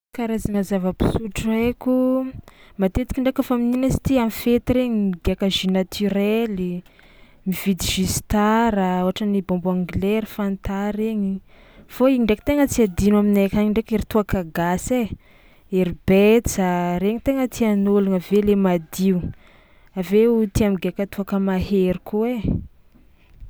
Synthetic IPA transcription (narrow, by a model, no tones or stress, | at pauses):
kaɾazaŋəzavəpi̥suʈ͡ʂuekʲu | mat̪et̪i̥kʲiɳɖ͡ʐekəfamininasi̥t̪iamfet̪iɾeɲimid̪iakaʒinat̪ʰyɾɛli | mivid̪iʒ̥ist̪aɾaoaʈ͡ʂənibombuaŋɡileɾfant̪aɾeɲi | foiɳɖ͡ʐeki̥t̪eŋət͡siad̪inaminekʲaɲiɳɖ͡ʐekeɾit̪uakaɡase | eɾib̥et͡saɾeŋit̪eŋət̪ianolunəvelemad̪iu | aveut̪iamiɡeakət̪uakəmaɦeɾikuwe